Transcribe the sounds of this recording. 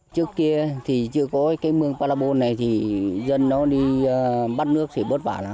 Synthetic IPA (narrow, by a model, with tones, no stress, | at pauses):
t͡ɕɨ˦˥əkːi˧ət̪ʰi˨˩t͡ɕɨ̰˧˦əkɔ˨˦kaː˨˦jmɨ˧əŋpaː˧laː˧ɓo˧nːa˨˩jt̪ʰi˨˩zə˧˨nːɔ˨˦ɗiː˧˨˩ɓa˦˥t̚nɨ˦˥ək̚t̪ʰi˨˩ɓəː˦˥t̚vaː˧˩laː˨˦